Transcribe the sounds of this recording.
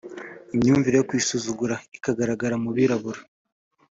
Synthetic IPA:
imɲuːɱviɾejokwiːsuzuɡuɾaikaɡaɾaɡaɾamuβiɾaβuɾa

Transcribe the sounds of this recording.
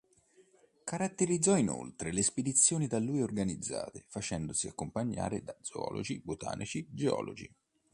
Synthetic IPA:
kaɾat̪ːeɾid̪zːɔino̰lt̪ɾelesped̪it̪sːjoːnid̪alːuːjorɡanid̪zːa̰ːt̪efat͡ʃɛnd̪osiakːompaɲːa̰ːɾed̪ad̪zoɔ̰ːlʔo̰d͡ʒibot̪a̰ːnʔit͡ʃid͡ʒeɔːlod͡ʒḭ

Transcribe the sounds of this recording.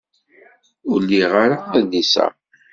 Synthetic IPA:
ʊɾlːiʁaɾaæðisæ̰

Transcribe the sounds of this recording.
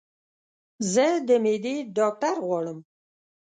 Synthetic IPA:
zəd̪əmed̪eɖɑk̚ʈaɾɣwɑɽəm

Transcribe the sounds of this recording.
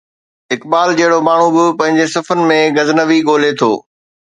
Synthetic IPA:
ɪkbaːld͡ʑɐɦɪɽomaːɳ̤ubɪpɐ̃ɦɪ̃ɲd͡ʑesɐfənmẽɡɐznəʋiɠoːlet̪ʰo̰ː

